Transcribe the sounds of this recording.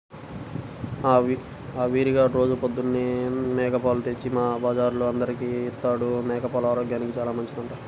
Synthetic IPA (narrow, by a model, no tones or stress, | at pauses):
aʋ | aʋiːɾiɡaːɾo̞ːd͡ʒupod̪ːunːinɛːkɐpaːlut̪e̞t͡ʃːimaːbaːd͡ʒaːɾloɐnd̪ɐɾikiit̪ːaːɽunɛːkɐpaːlaːɾoːɡjaːnikit͡ʃaːlaːmɐɲt͡ʃid̪uɳʈa